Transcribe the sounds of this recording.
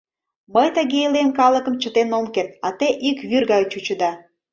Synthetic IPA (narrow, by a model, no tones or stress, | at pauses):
məjt̪əɣeilemkɑləkə̆mt͡ɕə̆t̪enomket̪̚ɑt̪eʔikβyrɣɑjt͡ɕut͡ɕəd̪ɑ